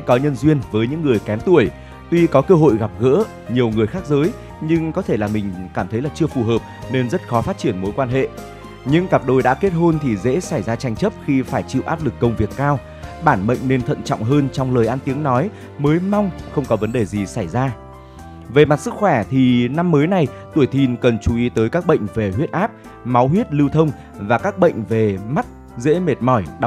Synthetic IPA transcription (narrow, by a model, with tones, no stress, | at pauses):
kɔ˨˦ɲə˧nzwi˧ənvəː˨˦jɲɨ̰˧˥ŋːɨ˨˩əjkɛ˨˦nt̪u˧˩əj | t̪wi˧kɔ˨˦kəː˧ɦo̰˧˨jɣa˨˩p̚ɣə̰ː˧˥ | ɲi˨˩əwŋɨ˨˩əjxaː˦˥k̚zəː˨˦j | ɲɨ˧ŋkɔ˨˦t̪ʰe˧˩laː˨˩mï˨˩ŋ̟kaː˧˩mt̪ʰə˨˦jlaː˨˩t͡ɕɨ˧əfu˨˩ɦəː˨˩p̚ne˧nzə˦˥t̚xɔ˨˦faː˦˥t̚t͡ɕi˧˩ənmo˨˦jkwaː˧nɦḛ˧˨ | ɲɨ̰˧˥ŋka˨˩p̚ɗo˨˩jɗa̰ː˧˥ke˦˥t̚ɦo˧nt̪ʰi˨˩zḛ˧˥sa˧˩jzaː˧t͡ɕa˧jŋ̟t͡ɕə˦˥p̚xi˧faː˧˩jt͡ɕḭ˧˨wʔaː˦˥p̚lɨ˨˩kːə˧wŋ͡mvi˨˩əkːaː˧w | ɓaː˧˩nɓə̰˧˨ŋ̟ne˧nt̪ʰə̰˧˨nt͡ɕɔ̰˧˨wŋ͡mɦəː˧nt͡ɕɔ˧wŋ͡mləː˨˩jʔa˧nt̪i˨˦əŋnɔ˨˦j | məː˨˦jma˧wŋ͡mxə˧wŋ͡mkɔ˨˦və˨˦nɗe˨˩zi˨˩sa˧˩jzaː˧ | ve˨˩ma˨˩t̚sɨ˦˥k̚xwɛ˧˩t̪ʰi˨˩na˧mːəː˨˦jna˨˩j | t̪u˧˩əjt̪ʰi˧nkə˨˩nt͡ɕu˧˩ʔi˨˦t̪əː˨˦jkaː˦˥k̚ɓə̰˧˨jŋ̟ve˨˩ɦwi˦˥t̚ʔaː˦˥p̚ | ma˨˦wɦwi˦˥ət̚lɨ˧wt̪ʰə˧wŋ͡m | vaː˨˩kaː˦˥k̚ɓə̰˧˨jŋ̟ve˨˩ma˦˥t̚ | zḛ˧˥me˨˩t̚mɔ˧˩jɗ